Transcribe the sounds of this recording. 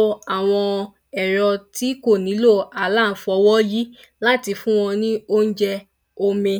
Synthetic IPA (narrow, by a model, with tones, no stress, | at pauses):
a˨w̃ɔ̃˧ | ɛ˨ɾɔ˧ti˦ko˦˨nĩ˨˦lo˦˨a˨la˦˨˦fɔ˨˧˦wɔ˦ji˦ | la˦ti˧fũ˦w̃ɔ̃˧nĩ˦o˦n̩˦d͡ʒɛ˧ | o˧mẽ˧